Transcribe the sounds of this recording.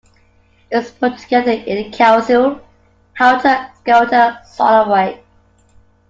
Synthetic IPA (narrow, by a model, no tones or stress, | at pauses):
ɪspʰɔtʰəɡɛðəɪ̃nkʰaʊsəlˠ | hʰaʊtʰəɡ̥aʊtəsɔ̰ləɹaɪt̚